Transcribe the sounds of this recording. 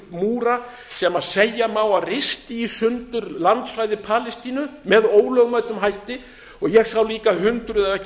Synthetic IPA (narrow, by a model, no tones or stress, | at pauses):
muːɾa | sɛmaðsejamaːwarɪst̪ɪisʏnt̪ʏɾlant̪svajðɪpʰaːlɛst̪iːnʏmɛðoːwlœɣmaɥt̪ʏmɦajht̪ɪ | ɔɣjɛɣsawliːkaɦʏnt̪ɾʏðaɛhc